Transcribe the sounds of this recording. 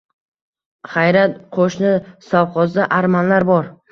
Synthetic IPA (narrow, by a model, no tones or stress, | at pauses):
χajɾat̪qʰoʃnɪsɒwqʰɒzd̪aʔaɾmanlaɾbɒɾ